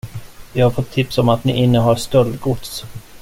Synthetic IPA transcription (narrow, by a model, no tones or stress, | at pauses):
vɪhaɾfɔt̪ʰːɪpsɔmat̪nɪ̰ʔɪnːəɦaɾst̪œld̪ɡʊd̪s